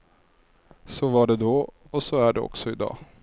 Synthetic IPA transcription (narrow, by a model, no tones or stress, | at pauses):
sɔvaɖɛd̪ɔ | ɔsɔæɖɛɔ̰ksɔɪd̪ɑ̰ː